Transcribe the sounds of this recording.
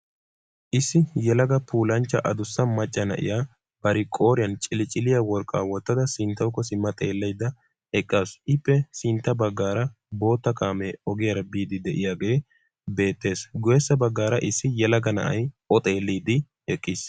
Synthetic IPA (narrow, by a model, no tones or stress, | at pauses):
ʔɪsːɪjɛlɐɡɐpʰuːlɐnt͡ʃːɐʔɐd̪ʊsːɐmɐt͡ʃʼːɐnɐ̰ʔɪ̰jaː | b̥ɐɾɪkʼo̞ːɾɪjɐnt͡ʃʼɪlɪt͡ʃʼɪlɪjɐwɔɾkʼːa̰ːwɔt̪ːɐd̪ɐsɪnt̪ːɐwkːɔsɪmːɐt̪ʼeːlːɐjd̪ɐ | ɛkʼːasʔɪpːɛsɪnt̪ːɐbɐɡːaːɾɐ | bo̞ːt̪ːɐkaːmɛɔɡɪjɐɾɐbiːd̪ɪd̪ɛʔɪjaːɡe̞ː | be̞ːt̪ːe̞ːsɡʊjɛsːɐbɐɡːaːɾɐʔɪsːɪjɛlɐɡɐnɐ̰ʔɐjʔɔt̪ʼe̞ːlːiːd̪ɪ | ɛkʼːɪs